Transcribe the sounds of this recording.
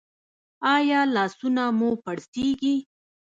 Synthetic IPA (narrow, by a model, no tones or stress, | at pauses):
ɑjɑlɑsunamupaɽseɡi